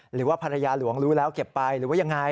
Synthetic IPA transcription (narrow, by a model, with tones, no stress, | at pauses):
ɾɯː˩˦waː˥˩pʰa˧ɾa˧jaː˧lu˨˩˦əŋɾuː˦˥lɛː˦˥wke˨˩pːa˧jɾɯː˨˦waː˥˩ja˧ŋːa˧j